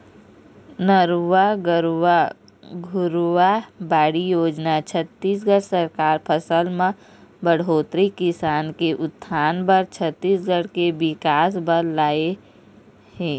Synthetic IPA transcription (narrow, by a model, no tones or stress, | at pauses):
nəɾwaɡɾ | ɡʱʊɾwabaːɽijoːd͡ʒnat͡ʃʰət̪ːiːsɡʱəɽsəɾkaːɾpʰəsəlmə̃ | bəɽ̤oːt̪ɾikɪsaːnkeʔʊt̪ʰːaːnbəɾt͡ʃʰət̪ːiːsɡəɽkebɪkaːsbəɾlaːe | hɛː